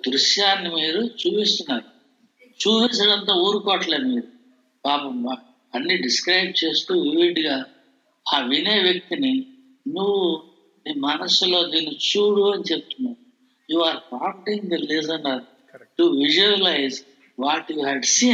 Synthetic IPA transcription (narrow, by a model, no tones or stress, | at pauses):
d̪ɾuʃjaːnimiːɾut͡ʃuːpist̪unːaːɾu | t͡ʃuːpisɐɽɐnt̪̬aːoːɾukɔːʈleːd̪miːɾu | paːpɐma | ɐnːiɖiskɾɐjb̚t͡ʃe̞ːst̪uːʋiːɖɡaː | aːʋine̞ːʋjek̚t̪ini | nuʋːu | miːmɐnɐsulo̞ːd̪iːnːit͡ʃuːɽuɐnit͡ʃe̞p̚ut̪unːaːɾu | juːaːɾpaːwɳʈiŋɡɐleːzɐnɖaɾu | ʈuʋid͡ʒuɐlɐjz | ʋaːʈjuːɦɛɖsiːn